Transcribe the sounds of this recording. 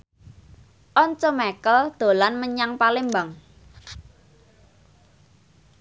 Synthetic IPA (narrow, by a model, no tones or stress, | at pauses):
ʔɔnt͡ʃɔmɛkəld̪̥o̤lanməɲaŋpalembaŋ